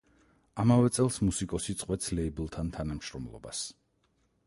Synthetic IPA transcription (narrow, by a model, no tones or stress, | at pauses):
amavɛt̪sʼɛlˠsmusikʼɔsit̪sʼqʼwɛt̪sʰlɛibɛlˠt̪ʰant̪ʰanamʃɾɔmlˠɔ̰ba̰s